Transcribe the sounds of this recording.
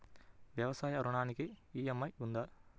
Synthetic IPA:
ʋjɐʋɐsaːjɐɐɾuɳaːnikiiːjɐmːɐjund̪ɐ

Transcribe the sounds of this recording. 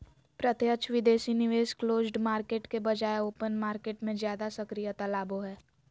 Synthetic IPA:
pɾət̪jət͡ʃʰʋɪd̪eːsinɪʋeːʃkloːzɖmaːɾkeːʈkebɐd͡ʒaːeoːpənmaːɾkeːʈmẽzjaːd̪asɐkɾijət̪alaːboɦɛː

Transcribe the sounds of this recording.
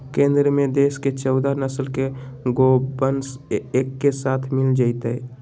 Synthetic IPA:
kẽːnd̪ɾəmẽd̪eːsket͡ʃəʊd̪anəsəlkeɡobənseːkːesaːt̪ʰmɪld͡ʒaɪt̪əɛ

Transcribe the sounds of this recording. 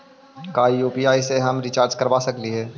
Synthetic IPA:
kaːijuːpiːaːiseɦɐmɾɪt͡ʃaːɾd͡ʒkɐɾʋaːsɐkliɦɛː

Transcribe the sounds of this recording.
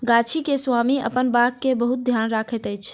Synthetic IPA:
ɡat͡ʃʰikeswamiə̰pənbakkːebəɦut̪̚d̪ʱjanɾakʰɛt̪əjt͡ʃʰ

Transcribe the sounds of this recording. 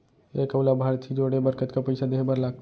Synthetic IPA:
ekəwlabʱaɾt̪ʰid͡ʒoɽebəɾkət̪kepəɪsad̪eɦebəɾlaɡ̪̚

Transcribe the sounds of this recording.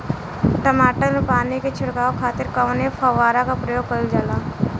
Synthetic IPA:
ʈəmaːʈənepaːniket͡ʃʰʊɽkaːokʰaːt̪ɪɾkaʋnepʰɐʋaːɾakapɾəjoːɡ̚kɐld͡ʒaːlaː

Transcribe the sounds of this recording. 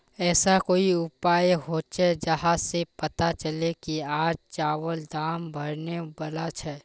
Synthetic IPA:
ɛːsakoːiʊpaːjɦoːt͡ʃʰɛd͡ʒɐɦãsepət̪at͡ʃəlekiaːd͡ʒt͡ʃaːwəld̪aːmbʱəɾnebɐlat͡ʃʰɛ

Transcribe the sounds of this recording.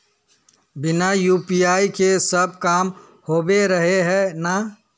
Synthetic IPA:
bɪnajuːpiaːikesəb̚kaːm | hoːbeɾəɦeɦɛna

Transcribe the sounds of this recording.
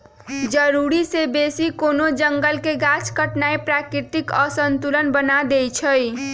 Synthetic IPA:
d͡ʒəɾuɾisebesikonod͡ʒəŋɡəlkeɡat͡ʃkəʈnaepɾakɾit̪ikəsənt̪ulənbənad̪ejt͡ʃʰəj

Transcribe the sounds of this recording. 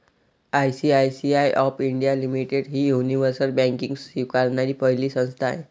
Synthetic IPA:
ajsiajsiajʔɔpiɳɖijalimiʈeɽɦiːjuniʋəɾsəlbɛ̃ŋkĩŋɡsiʋkaɾnaɾiːpəɦiliːsə̃ñst̪ʰaḛ

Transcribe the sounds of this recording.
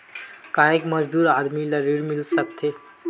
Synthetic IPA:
kaekmʌd͡ʒd̪uɾad̪miləɾiɾmilsək̚t̪ʰːe

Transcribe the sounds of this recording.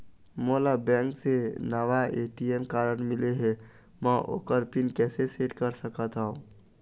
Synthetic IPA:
moːlabɛ̃ːŋksenaʋaeːʈiɛmkaːɾəɽmɪleɦɛ | mɛ̃ʔo̰ːkəɾpɪnkɛːseseːʈkəɾsəkat̪aɦũː

